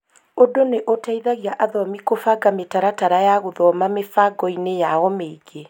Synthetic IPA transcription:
odoneʔotaiðaɣiaʔaðɔmikofaɡametaɾataɾajaɣoðɔmamefaɡɔinejaɔmeiɡe

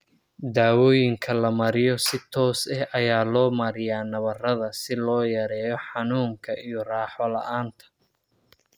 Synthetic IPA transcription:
d̪aːwɔːjɪŋkʰɐlɐmɐɾɪjɔsɪt̪ʰɔːsɐhʔɐjaːlɔːmɐɾɪjaːnɐβɐrɐðɐsɪlɔːjɐɾɛːjɔħɑnuːŋkʰɐʔijɔraːħɔlɐ̰ʔaːnt̪ʰɐ̥

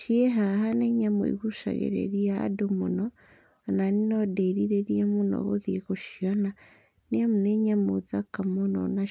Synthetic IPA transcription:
ʃieɦaɦaneɲamo̰ḭɣuʃa̰ɣḛɾḛɾia̰ːdomunɔ | naninodeɾiɾeɾiemunɔ̰ɣoðiɣoʃiana | niamuneɲamoðakamonɔ̰na

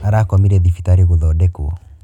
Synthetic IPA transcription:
aɾakɔmiɾɛðifitaɾiɣuðɔdɛkuɔ̰

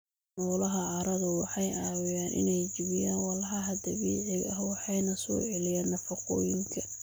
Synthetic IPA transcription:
ɔːlɐɦɐʕɑɾɐðʊwɑħɑjaːwɪjaːnʔɪ̰nɛjd͡ʒɪβɪjaːnwɑlħɐɦɐd̪ɐβiːʕɪɣɐɦwɑħɑjnɐsɔ̰ːʕɛlɪjaːnːɐfɐqɔ̰ːjɪŋkʰɐ

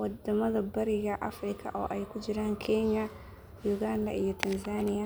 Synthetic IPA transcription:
wɑd̪ɐmɐðɐbɐɾɪɣɐʔɐ̰frɪkʰɐ̰ʔɔːʔɛjkʰʊd͡ʒɪɾaːŋkʰɛɲɐ | juɣand̪ɐ̰ʔijɞt̪ʰɐnsaːnɪjɐ

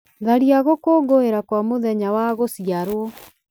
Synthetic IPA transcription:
ðaɾiaɣokoːɡoeɾakwamoðɛɲawaɣosiaɾwɔ

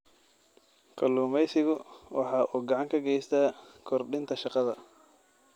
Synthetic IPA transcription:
kʰɐluːmɛjsɪɣʊwʔɑħɑːʔuːɡɐʕɑŋkʰɐɡɛjst̪ʰaːkʰɔrɖɪnt̪ʰɐʃɑqɑðɐ

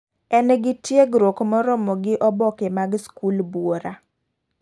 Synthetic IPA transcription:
ɛnɡɪtjeɡɾokmɔɾɔmɔɡɪʔɔbɔkemaɡskulbwoɾa

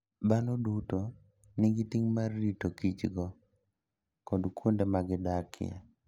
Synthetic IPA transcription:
banoduto | nɪɡɪtiŋmarːitokit͡ʃɡɔ | kɔdkwundemaɡɪdakʰɪ̰ɛ̰

